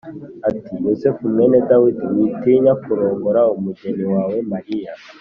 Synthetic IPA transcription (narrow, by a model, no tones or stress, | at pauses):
atijosɛfumwɛnɛdawidiwiteːɲakuɾɔːŋɡɔɾaomud͡ʒɛniwawɛmaɾia